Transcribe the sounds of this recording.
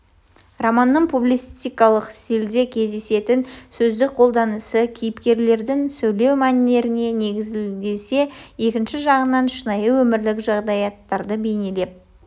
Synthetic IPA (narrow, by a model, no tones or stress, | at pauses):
romɑnːəɴpʰublʲist̪ijkɑlˠəqseld̪e̞kʲʰe̞zd̪e̞se̞t̪ɪnsɵzd̪ɪk̚qʰo̞lˠd̪ɑnəsəkʲʰijɪpkʲe̞ɾle̞ɾd̪ɪŋsɵjle̞wmænɪne̞ɾɪne̞ne̞ɡʲɪzɪld̪e̞se̞je̞kʲɪnʃɪʒɑʁənɑnʃənɑjəwɵmɪɾlɪkʒɑʁd̪ɑjɑt̪ːɑɾd̪əbe̞jne̞le̞p̚